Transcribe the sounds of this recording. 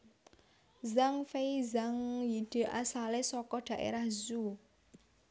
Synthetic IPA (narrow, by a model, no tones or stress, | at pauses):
zaŋfeizaŋjid̥e̤ʔasalesɔkɔɖ̪̥ä̤ʔḛɾahzu